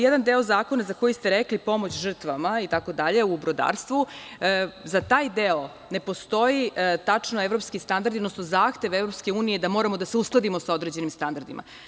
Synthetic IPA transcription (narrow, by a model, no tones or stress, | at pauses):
jed̪and̪eo̞zaːko̞nazako̞jist̪eɾeklipo̞mo̞t͡ɕʒr̩t̪ʋamait̪ako̞d̪aʎe̞ubɾod̪a̰ːɾst̪ʋu | zat̪aːjd̪eo | ne̞po̞st̪o̞jit̪at͡ʂnoevɾopskist̪and̪aɾd̪iod̪nosnozaːxt̪e̞ʋevɾopske̞uːnijed̪amo̞ːɾamod̪aseusklˠad̪imosao̞d̪ɾe̞d͡ʑe̞nimst̪and̪aɾd̪ima̰